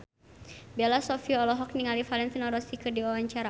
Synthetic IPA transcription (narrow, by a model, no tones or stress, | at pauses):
bɛlasɔfiaɔlɔɦɔk̚niŋalifalɛnt̪inɔɾɔsikɨrdiɔwaɲt͡ʃaɾa